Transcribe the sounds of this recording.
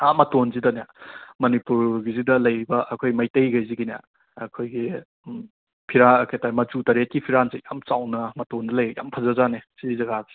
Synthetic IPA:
amɐtonzidɐnamɐnipuɾɡizidɐlɐjɾibɐʔɐkʰojmɐjtɐjɡɐjziɡina̰ | ɐ̰kʰojɡi | pʰiɾaɐkʰetajmɐt͡ʃutɐɾet̚kipʰiɾanzijamt͡ʃawnɐmɐtondɐlɐjja̰mpʰɐzɐzanesizɐɡazi̥

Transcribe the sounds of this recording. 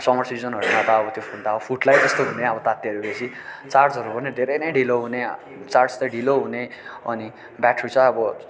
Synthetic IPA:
sʌmʌrsid͡zʌnɦʌɾunat̪aʌbʌt̪jopʰund̪aʌbʌpʰuʈlajd͡zʌst̪oɦuneʌbʌt̪at̪iʌɾubesʰi | t͡sard͡zʌɾupʌnid̪ʱeɾʌjnʌjɖʱiloɦune | t͡sarʈst̪ʌɖʱiloɦuneʌ̰ni | baʈrut͡sʰʌʌbʌ

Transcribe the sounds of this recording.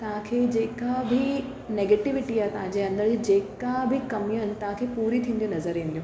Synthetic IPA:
t̪ɐɦãkʰeːd͡ʑeːkabʱɪ | neːɡeːʈɪʋɪʈiaːɦet̪ɐʋ̤ãɲd͡ʑeːɐ̃nd̪əɾd͡ʑeːkabʱɪkɐmijəɦɪnɪt̪ɐɦãkʰeːpuːɾit̪ʰĩːnd̪ijũnɐzəɾĩːnd̪iũ

